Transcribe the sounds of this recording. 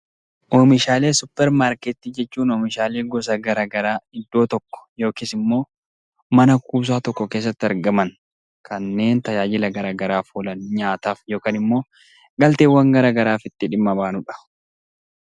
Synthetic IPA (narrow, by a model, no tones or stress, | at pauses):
ʔoːmɪʃaːle̞ːsʊpːɛɾmaːɾkɛt̪ːiːd͡ʒɛt͡ʃːuːnoːmɪʃaːle̞ːɡɔs̬ɐɡɐɾaːɡɐɾaːɪd̪ːo̞ːt̪ɔkːɔ̥jo̞ːkiːsɪmːo̞ː | mɐnɐkuːs̬aːt̪ɔkːɔke̞ːs̬ːɐt̪ːɪɐɾɡɐmɐn | kʰɐnːe̞ːnt̪ɐjaːd͡ʒɪlɐɡɐɾaːɡɐɾaːfuːlɐnɲaːt̪aːfjo̞ːkaːnɪmːo̞ː | ɡɐlt̪eːwɐŋɡɐɾaːɡɐɾaːfɪt̪ːɪᶑɪmːɐbaːnʊᶑɐ̥